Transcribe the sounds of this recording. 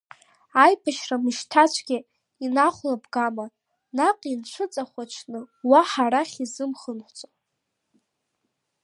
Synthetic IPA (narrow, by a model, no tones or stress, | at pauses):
ajpʰaʃramɨʃtʰat͡ʃʷʰɡʲi | inaχʷlabɡama | naqʼint͡ʃʷʰɨt͡sʼaχʷat͡ʃʰnɨwaħaɾaχʲizɨmχənħʷt͡sʼo